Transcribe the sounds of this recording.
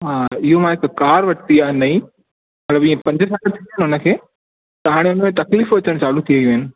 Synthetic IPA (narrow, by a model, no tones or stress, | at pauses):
ɦaːɪɦomãɪkkaːɾʋɐʈ̪iaenɐĩ | mɐt̪ləbĩːẽpɐ̃ɲd͡ʑəsaːkət̪ʰiənɦʊnə̆kʰeː | t̪ɐɦaːɽ̃eʊnəmẽt̪ɐkliːfʋɐt͡ɕəɽ̃t͡ɕaːlut̪ʰiɐijũɪnɪ̆